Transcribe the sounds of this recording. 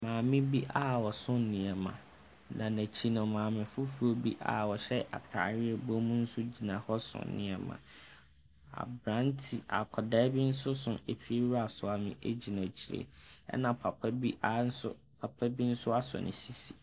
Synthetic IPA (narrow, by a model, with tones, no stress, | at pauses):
mãː˨mɪ̃˦bi˦ʔa˦wɔ˨sʊ̃˦n˨nɪ̃˨ɛ˨mã̰˨ | nã˨næ̃˨t͡ɕʰi˦nʊ̃˨mãː˨mɪ̃˨fʊ˦fu˨o˦bi˦ʔa̰˨wɔ˨ɕɛ˦ʔa̰˨tʰa̰˨˦ɾɪ˦ɛ˨bõ˦mũ˦n̩˦sʊ˦d͡ʑi˨nã˨hɔ˦sʊ̰̃˨nnɪ̃˨ɛ˨mã̰˨ | a̰˨bɾã˦n˦tʰi˨a̰˨kʰɔ˨dɛ˦bi˦n̩˦sʊ˦sʊ̃˨e˨fi˦e˦ɾu˦a˨sʊ˨a˨mɪ̃˨ʔe˦d͡ʑi˨næ̃˨t͡ɕʰi˨ɾḛ˨ɛ̰˦nã˨pʰa˨pʰa˦bi˦ʔa˨n̩˦sʊ̰˦ | pʰa˨pʰa˦bi˦n̩˦sʊ˦a˦sɔ̰˨nʔɪ̰̃˨si˨si̥˨